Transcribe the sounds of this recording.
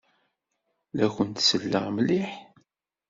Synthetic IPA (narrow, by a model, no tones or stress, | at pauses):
læçənt̪səlːə̰ʁmliħ